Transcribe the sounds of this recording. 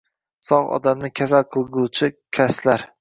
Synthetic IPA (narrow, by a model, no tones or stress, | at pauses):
sɒʁɒ̰d̪amnɪkʲʰasalˠqʰɨlˠɡʲut͡ʃʰɪkʲʰaslaɾ